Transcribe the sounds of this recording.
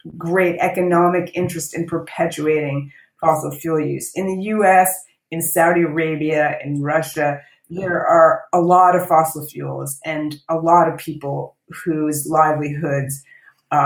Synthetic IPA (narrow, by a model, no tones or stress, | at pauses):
ɡɹeɪɾɛkɨnɑmɨkɪ̃nt͡ʃɹ̥ɨstɨ̃npʰə˞pʰɛt͡ʃʉeɪɾɪ̃ŋ | fɑsl̩ˠfjulˠjʉ̰z̥ɨ̃nðɨjʉɛs | ɨ̃nsaʊɾiə˞eɪbiɨɨ̰̃nɹʌʃɨ | ðə˞ʔə˞əlɔɾʌv̥fɑsl̩ˠfjṵlˠzɨ̃nəlɔɾʌv̥pʰipl̩ˠ | huzlaɪvliɦʊdz̥